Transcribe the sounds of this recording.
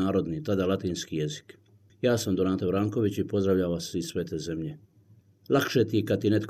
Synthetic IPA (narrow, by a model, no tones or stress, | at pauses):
aːɾo̞d̪nit̪ad̪alat̪iːnskijezi̥k | jaːsamd̪onaːt̪abɾaːŋko̞ʋit͡ɕipo̞zd̪ɾaʋʎaʋasisʋe̞t̪eːze̞mʎe | lˠakʃet̪ikad̪̚t̪inet̪k